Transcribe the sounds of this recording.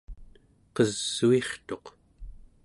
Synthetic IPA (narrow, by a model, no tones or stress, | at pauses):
qʌzːue̞χt̪o̞q